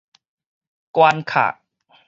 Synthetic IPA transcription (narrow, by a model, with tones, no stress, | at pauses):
kwaː˧nkʰa̰ː˨˩ʔ